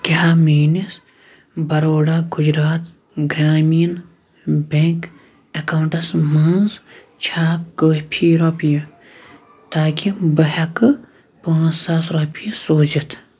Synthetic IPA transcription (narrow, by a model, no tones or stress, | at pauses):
kaamiːnis | bɐɾoːɽaːɡʊd͡ʒɾaːt̪ | ɡɾaːmijən | bẽŋk | ɐkaːwʊɳʈɐsmɐnz | t͡ʃʰaːkəpʰiɾoːpijɐ | t̪aːkibɐɦɐkɨ | pãːt͡ʃsaːsɾoːpijɐsoːt͡ʃɐt̪ʰ